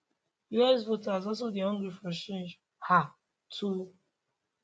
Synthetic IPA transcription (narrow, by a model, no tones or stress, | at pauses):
juɛs̬votaɪzɔls̬odiɔ̃ŋɡɹifɔ̃ʃẽd͡ʒ | ha | tʰu